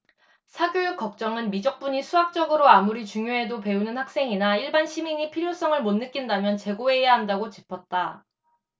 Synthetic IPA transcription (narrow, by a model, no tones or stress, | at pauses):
sʰaɡjojuk͈̚ʌk̚t͡ɕ͈ʌŋɯnmid͡ʑʌk̚p͈uɲisʰuak̚t͡ɕ͈ʌɡɯɾoamuɾit͡ɕuŋjoɦe̞dope̞unɯnhak̚s͈e̞ŋinaiɭbanɕʰimiɲipʰiɾjos͈ʌŋɯɭmonːɯk͈indamjʌnt͡ɕe̞ɡoe̞jaɦandaɡot͡ɕipʰʌt̚t͈a